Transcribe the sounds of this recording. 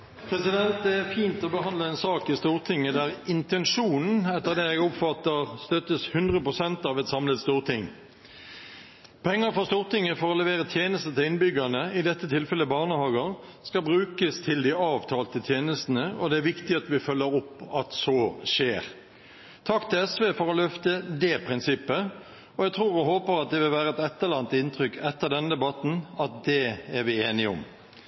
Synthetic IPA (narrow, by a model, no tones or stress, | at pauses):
pʰʁɛsɪd̪ɛnt̪̚d̪ɛæʁfiːnt̪ɔbəɦhɑnd̪ləɛnsɑːkɪst̪uːʁt̪ʰɪŋːəd̪æʁɪnt̪ɛnʂuːnn̩ɛt̪ːəʁd̪ɛːɛɡɔpfɑt̪ːəʁst̪œt̪ːəshʉnd̪ʁəpʁʊsɛnt̪ɑːʋɛt̪sɑmlət̪st̪uːʁt̪ʰɪŋ | pʰɛŋːəʁfɔst̪uːʁt̪ɪŋːəfɔɾɔlɛʋeːʁət̪ʰjeːnəst̪ət̪ʰɪlɪnbʏɡənəɪd̪ɛt̪ːət̪ʰɪlfɛlːəbɑːʁnəhɑːɡəʁ | skɑbʁʉːkəst̪ʰɪld̪iɑːʋt̪ʰɑːlt̪ət̪ʰjeːnəst̪n̩əɔd̪ɛæɾʋɪkt̪ɪɑt̪ʋɪfœlːəɾʊpːɑt̪sɔːʃeːʁ | t̪ʰɑkːt̪ɪlɛsʋeːfɔɾɔlœft̪əd̪ɛpʰʁɪnsɪpːə | ɔjɛɡt̪ʰʁuːʁɛɦoːpəɾɑt̪̚d̪ɛʋɪlʋæːʁəɛt̪ɛt̪ːəʁlɑnt̪ɪnt̪ʰʁʏkʰɛt̪ːəʁd̪ɛnəd̪ɛbɑt̪n̩ɑt̪̚d̪ɛæʁʋɪeːnɪʊ̰m